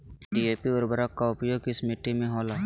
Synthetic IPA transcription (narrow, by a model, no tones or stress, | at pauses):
ɖiːeːpiʊɾbəɾakkaʊpjoːɡɪsmɪʈːimẽɦɔːlaː